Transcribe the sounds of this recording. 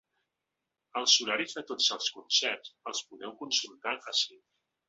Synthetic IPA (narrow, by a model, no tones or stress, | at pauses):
əlˠsuɾaɾizðət̪od͡zəlˠskunsɛrzəlˠspuðɛwkunsulˠt̪aʔəsemɾ